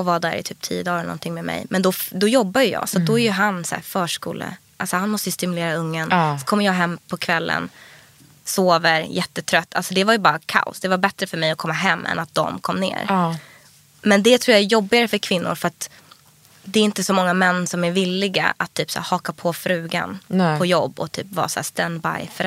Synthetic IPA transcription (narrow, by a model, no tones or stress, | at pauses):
ɔvaːd̪æ̰ːɾɪ̰t̪ʰyːp̚t̪ʰḭːəd̪ɑːɾɛlnɔ̰nt̪ʰɪŋmɛmɛ̰jmɛnd̪ɔd̪ɔjɔbːajɵjɑ̰ːsɔt̪̚d̪ɔæɾjɵɦansæ̰ːɾfœːʂkṵːlə̰ʔalsɔhanmɔst̪əjst̪ɪmɵleːɾaɵŋːənsɔkʰɔmːəɾjɑːɦɛmːpʰɔkʰvɛlːə̰n | soːvəɾjɛt̪ːət̪ʰɾœt̪ːa̰lsɔd̪ɛvaɾjɵbɑːɾakʰa̰ʊ̰sd̪ɛvaɾbɛt̪ɾəfœɾmɛjɔkʰɔmːaɦɛmːʔɛ̰nat̪̚d̪ɔ̰mkʰɔmːnḛːɾ | mɛnd̪ɛt̪ʰɾuːjaæɾjɔbːɪɡaɾəfœɾkʰvɪnːʊ̰ɾfœɾat̪ | d̪ɛːɾɪnt̪əsɔmɔŋːamɛnːsɔmæɾvɪlːɪɡa̰ʔat̪ʰːyːpsæ̰ːɾhɑːkapʰɔfɾʉ̟ːɡa̰npʰɔjɔbːɔ̰t̪ʰy̰ːpvɑ̰ːsæ̰ːst̪ɛnba̰jfœɾ